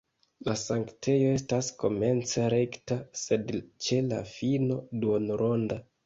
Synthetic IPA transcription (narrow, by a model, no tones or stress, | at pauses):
lasaŋkte̞jo̞e̞stasko̞me̞nt͡seɾe̞ktase̞dt͡ʃe̞la̰fino̞duonɾʔo̞nda